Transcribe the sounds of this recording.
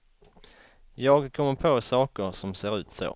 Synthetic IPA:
jɑːɡkʰɔmːəɾpʰoːsɑːkəɾsɔmseːɾʉ̟ːt̪so̰ː

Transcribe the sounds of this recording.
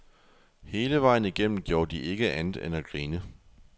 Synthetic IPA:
he̝ːləʋɑ̈ɪ̰n̩iɡ̥em̰n̩ɡ̥jo̝ːɐd̥iʔe̝ɡ̥əʔænð̩ˠenæɡ̥ʁiːnə

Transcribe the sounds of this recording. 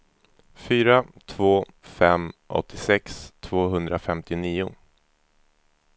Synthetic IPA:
fyːɾat̪ʰvoː | fɛmʔɔ̰t̪ʰːɪsɛkst̪ʰv̥oːɦɵnd̪ɾafɛmt̪ɪniːʊ

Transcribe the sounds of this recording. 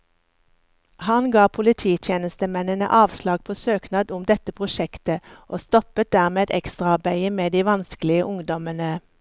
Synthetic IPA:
hɑnɡɑːpʰʊlɪt̪ʰiːt̪ʰjeːnəst̪əmɛnənə̰ʔɑːʋslɑːɡ̚pʰoːsøːknɑːd̪ʊmd̪ɛt̪əpʰʁʊʃɛkt̪əʔoːst̪ɔpət̪̚d̪æʁmeːd̪ɛ̰kst̪ʁɑɑbæɪəmeːd̪iːʋɑnskəlɪəʔʊŋd̪ɔmənə

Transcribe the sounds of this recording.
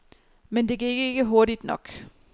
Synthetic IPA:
mend̥e̝ɡæe̝ɡ̥əe̝ɡ̥əɦo̝ɐɾid̥nɒ̽ɡ̥

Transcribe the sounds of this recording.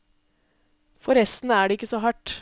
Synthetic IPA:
fɔɾɛst̪nəæːɖɛɪkːəsɔɦɑʈː

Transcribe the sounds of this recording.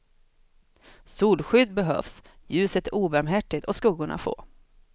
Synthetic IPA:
suːlɧʏd̪bɛɦœ̰ːfsjʉ̟ːsət̪æɾuːbæɾmɦæʈːɪt̪ɔskɵːɡʊɳa̰fo̰ː

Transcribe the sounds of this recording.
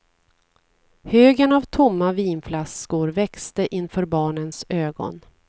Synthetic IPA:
høːɡənavt̪ʰʊmːaviːnflaskʊɾvɛkst̪əʔɪnfœːɾbɑːɳənsøːɡɔ̰n

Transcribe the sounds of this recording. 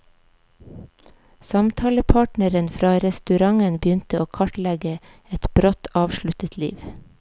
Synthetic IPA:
sɑmt̪ʰɑːləpʰɑːʈnəɾənfɾɑːɾɛst̪ʉɾɑŋənbjʏnt̪əoːkʰɑʈlɛɡə | ɛt̪b̥ɾɔt̪ʰɑːʋʃɭʉt̪ət̪ʰlḭːʋ

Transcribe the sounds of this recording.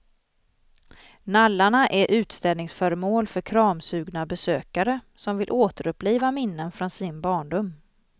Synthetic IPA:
nalːaɳaʔæɾʔʉ̟ːt̪st̪ɛlnɪŋsfœɾəmoːlfœɾkʰɾɑːmsʉ̟ːɡnabɛsøːkaɾə | sɔmvɪlʔoːt̪əɾɵpːliːvamɪnːənfɾɔnsɪnbɑːɳɖʊm

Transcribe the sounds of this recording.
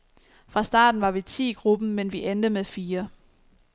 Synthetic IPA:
fʁɑ̈sd̥ɑ̰̈ːd̥n̩ʋɑ̈ʋit͡sʰḭːɡ̥ʁub̥n̩menʋiʔend̥əmeðˠfiːɐ

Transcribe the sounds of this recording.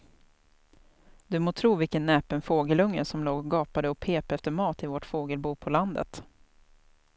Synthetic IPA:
d̪ɵmoːt̪ʰɾuːvɪlkənːɛːpənfoːɡəlɵŋːə̰sɔmloːɡɡɑːpad̪əɔpʰeːpɛft̪əɾmɑːt̪ɪvɔʈfoːɡəlbuːpʰɔland̪ə̰t̪

